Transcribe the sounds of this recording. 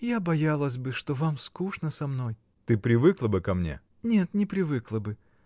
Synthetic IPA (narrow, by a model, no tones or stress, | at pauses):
jabɐjalˠəsʲbɨʂt̪o̞vamskuʂnəsɐmno̞j | t̪ɨpɾʲɪvɨklˠəbɨkɐmnʲḛ | nʲe̞t̪nʲɪpɾʲɪvɨklˠəbɨ